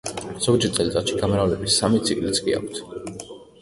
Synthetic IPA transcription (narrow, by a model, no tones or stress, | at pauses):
z̥ɔɡd͡ʒɛɾt̪ʼɛlt̪ʼat̪ʃiɡamɾavlɛbisamit̪sʰiɡlit̪sʰʼkʼḭa̰kʷʰt̪ʰ